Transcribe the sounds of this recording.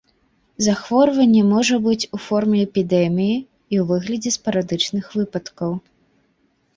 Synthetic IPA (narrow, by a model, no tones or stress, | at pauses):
zaxvɔɾvɐnʲːɛmɔʐɐbɨt͡sʲufɔrmʲɛɛpʲid̪ɛmʲiji | iwvɨɣlʲɐd͡zʲɛspɐɾad̪ɨt͡ʂnɨxvɨpɐt̪kɐw